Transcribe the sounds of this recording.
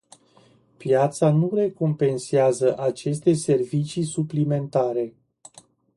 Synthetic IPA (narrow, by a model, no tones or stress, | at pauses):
pjat̪sanure̞ko̞mpe̞nseazəʔat͡ʃe̞st̪e̞se̞rvit͡ʃisuplime̞nt̪aɾe̞